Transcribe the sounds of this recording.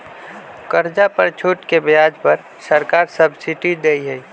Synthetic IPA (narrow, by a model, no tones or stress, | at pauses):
kəɾd͡ʒapəɾt͡ʃʰuːʈkebjaːd͡ʒpəɾ | səɾkaːɾsəbsiʈid̪eiɦɛi